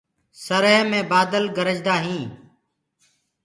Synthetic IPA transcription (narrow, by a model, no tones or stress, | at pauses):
səɾəɦmẽːbaːd̪əlɡəɾəd͡ʒd̪aːɦĩː